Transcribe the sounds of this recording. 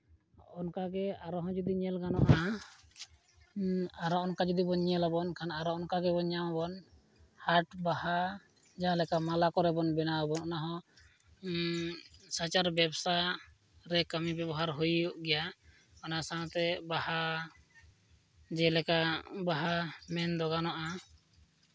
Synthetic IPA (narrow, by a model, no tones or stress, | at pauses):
ɔnkaɡɛaɾɔɦɔ̃d͡ʒud̪iɲɛlɡanɔʔa | aɾɔɔnkad͡ʒud̪ibɔɲɛlabɔnkʰanaɾɔɔnkaɡɛbɔɲawabɔn | haʈbaha | d͡ʒaãlɛkamalakɔɾɛbɔnbɛnawabɔnɔnaɦɔ̃ | sat͡ʃaɾbɛbsa | ɾɛkəmibɛbɔɦaɾɦujuʔɡɛja | ɔnasaãt̪ɛbaha | d͡ʒɛlɛkabaɦamɛnd̪ɔɡanɔʔa